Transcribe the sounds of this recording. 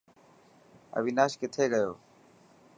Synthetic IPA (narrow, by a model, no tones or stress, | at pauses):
ə̰ʋiːnaːʃkɪt̪ʰeːɡəjoː